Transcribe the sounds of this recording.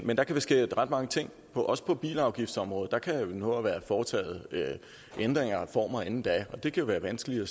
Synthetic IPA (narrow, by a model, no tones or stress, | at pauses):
mend̥ɑ̈kʰæb̥esɡ̥e̝̰ːʁɑd̥mɑ̈ŋət͡sʰe̝ŋ̰ | pʰɒ̽ʔɒ̽sə̥pʰɒ̽b̥ḭːlɑ̈ʊɡ̥ifd̥sɒ̽mʁɔ̽ːð̞̩ˠd̥ɑ̈kʰæjnɔːʋæːɐfɒːt͡sʰɛ̰ːð̩ˠø | ʔend̥ʁeŋ̰ɐfɒ̰ːmɑenn̩d̥æɒ̽d̥e̝kʰæjo̝ʋæːɐʋænsɡ̥əli̥ɒ